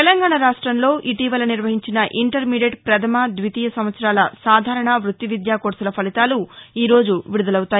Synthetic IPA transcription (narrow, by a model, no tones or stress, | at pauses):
t̪ɛlɐŋɡaːɳaɾaːʂʈɾɐmlo̞ːʔiʈiːʋɐlɐniɾʋɐɦiɲt͡ʃinɐʔiɳʈɐɾmiːɖeʈpɾɐd̪ʰʱɐmad̪ʋit̪iːjɐsɐmʋɐt̪sɐɾaːlɐsaːd̪ʱaːɾɐɳɐʋɾut̪ːiʋid̪jaːkoːʈsulɐpʰɐlit̪aːluiːɾo̞ːd͡ʒuʋiɾud̪ɐlɐwt̪aːjii